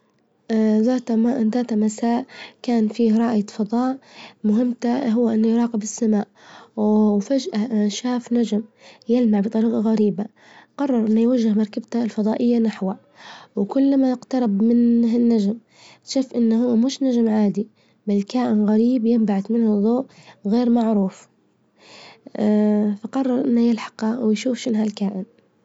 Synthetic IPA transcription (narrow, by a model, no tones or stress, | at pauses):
ðaːt̪aðaːt̪amasaːʔkaːnfiːɾˤɑːʔjafɑd̪ˤɑːʔmʊɦɪmːt̪aɦʊwːaʔɪnːʊjɾˤɑːqɪbɪsːamaːʔ | fad͡ʒʔaʃaːfnad͡ʒmjɪlmaʕbɨt̪ˤɑɾiːqɑɣaɾiːba | qɑrˤːɑɾˤʔɪnːajwaʒːɪhmɑɾˤkabt̪alfɑðˤɑːʔɪjːanaħwa | wkʊlːmaɪqt̪ɑɾˤɑbmɪnɪnːad͡ʒm | ʃuːfʔɪnːhʊwːamʊʃnaʒmʕaːd̪i | baslkaːʔɪnɣaɾiːbjɪmbaʕat̪mɪnhʊðˤoːʔɣeːɾmaʕɾuːf | faqɑrˤːɑɾˤʔɪnːajɪlħɑ̥qwjʃuːfʃɪnɦalkaːʔɪn